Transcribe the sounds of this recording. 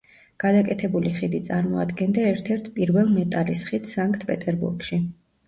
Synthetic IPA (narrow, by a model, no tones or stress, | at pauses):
ɡ̥ad̪akʼɛt̪ʰɛbuliχid̪it̪sʼaɾmɔa̰d̪ɡɛnd̪aɛɾt̪ʰɛɾt̪ʰpʼiɾvɛlˠmɛt̪ʼalisχit̪ʰsaŋkʰt̪ʰpʼɛt̪ʼɛɾbṵɾɡʃi